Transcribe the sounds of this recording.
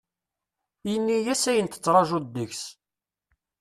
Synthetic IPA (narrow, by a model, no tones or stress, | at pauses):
jənːijæsæjənt̪ə̥t͡sːɾˤɑʒud̪ːəçs